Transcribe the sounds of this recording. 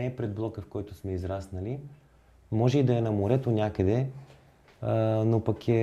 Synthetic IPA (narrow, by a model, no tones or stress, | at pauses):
ɛːpɾɛd̪̚blˠɔkəfkɔjt̪ʊsmɛizɾasnəli | mɔʒɛid̪ɐɛnɐmoɾɛt̪onʲakəd̪ɛ | nopɐkɛ